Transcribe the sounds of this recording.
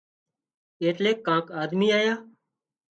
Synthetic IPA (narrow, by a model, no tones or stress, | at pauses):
eːʈleːkːãːkaːd̪miːaːjaː